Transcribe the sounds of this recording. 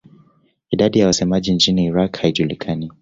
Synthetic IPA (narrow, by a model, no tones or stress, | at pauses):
iɗaɗijawasɛmaʄint͡ʃiniːɾakhaiʄulikʰani